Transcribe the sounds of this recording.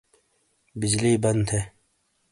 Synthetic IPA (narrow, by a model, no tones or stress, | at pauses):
bid͡ʑliːbɐnd̪ʰeː